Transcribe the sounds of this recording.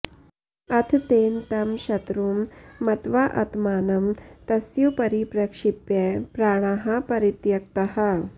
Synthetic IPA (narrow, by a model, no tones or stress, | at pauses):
ɐt̪ʰt̪eːnt̪ɐmɕɐt̪ɾuːmːɐt̪ʋaːʔɐ̰t̪maːnɐmt̪ɐsjupɐɾipɾɐkʂipjepɾaːɽ̃aɦɐpɐɾit̪jɐk̚t̪ɐɦɐ